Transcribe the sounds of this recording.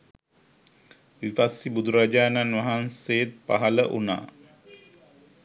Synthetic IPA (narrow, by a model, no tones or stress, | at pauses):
ʋipasibud̪uɾad͡ʒaːnanʋaɦansejet̪̚pa̰ɦaləʔuna̰ː